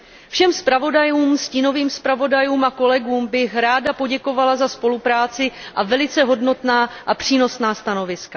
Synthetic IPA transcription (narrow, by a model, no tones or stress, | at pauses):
fʃɛmspɾavo̞dajuːmsciːno̞viːmspɾavo̞dajuːmʔako̞lɛɡuːmbɪxɾaːdapo̞ɟɛko̞valazaspo̞lupɾaːt͡sɪʔavɛlɪt͡sɛɦo̞dno̞t̪naːʔapr̝̥iːno̞snaːst̪ano̞vɪska